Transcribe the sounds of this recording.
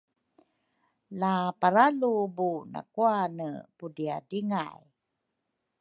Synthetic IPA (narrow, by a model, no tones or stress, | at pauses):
lapaɾalubuna̰kuanəpudiadiŋa̰j